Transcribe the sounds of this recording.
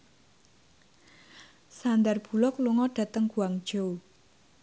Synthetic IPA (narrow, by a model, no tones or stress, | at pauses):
sand̪arb̥ṳlɔkluŋɔɖ̥ä̤t̪əŋɡ̥uaŋd̥ʒ̥ow